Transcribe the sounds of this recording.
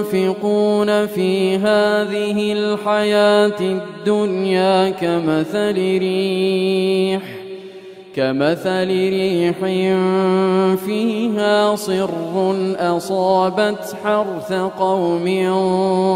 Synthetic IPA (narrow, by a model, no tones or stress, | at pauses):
fɪquːnafiːɦaːðɪhɪlħajaːt̪ɪd̪ːʊnjaːkamaθalɪɾi | ħ | kamaθalɪɾiːħɪm | fiːɦaːsˤɨrːʊnʔɑsˤɑːbat̪ħɑɾˤθaqɑwmɪ